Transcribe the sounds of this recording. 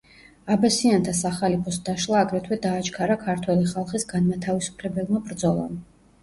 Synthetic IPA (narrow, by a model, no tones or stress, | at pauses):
abasiant̪ʰasaχalipʰɔsd̪aʃlˠaːɡɾɛt̪ʰwɛd̪aːt͡ʃʰkʰaɾakʰaɾt̪ʰwɛliχalˠχisɡanmat̪ʰavisu̥pʰlɛbɛlˠmabɾd̪zɔlˠa̰m